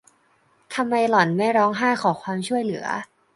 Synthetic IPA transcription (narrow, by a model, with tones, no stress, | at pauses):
t̪ʰa˧mːa˧jlɔ˨˩˦nma˥˩jɾɔː˦˥ŋɦaː˥˩kʰɔː˩˦kʰwaː˧mt͡ɕʰu˥˩əjlɯ˩˦ɐ̰